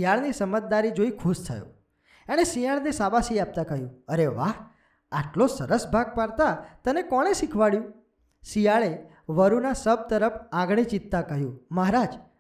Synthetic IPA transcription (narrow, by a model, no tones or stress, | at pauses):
ijaɭnisəmət̪̚d̪aɾid͡ʒoikʰust̪ʰə̰jõ̰ | aɽ̃esijaɭnesabasiap̚t̪akəɦjũəɾeʋaɦ | aʈlosəɾəsbʱaɡ̚paɾt̪at̪ənekɔɽ̃esikʰʋaɭjũ | sijaɭe | ʋəɾunasəb̚t̪əɾəpʰãɡɽ̃it͡ʃit̪ːakəɦjũməɦɾad͡ʒ